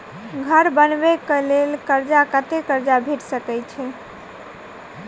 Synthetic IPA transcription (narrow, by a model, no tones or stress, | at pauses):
ɡʱəɾbənbekəlelkəɾd͡ʒakət̪ekəɾd͡ʒabʱeʈsəkɛjt͡ʃʰɛ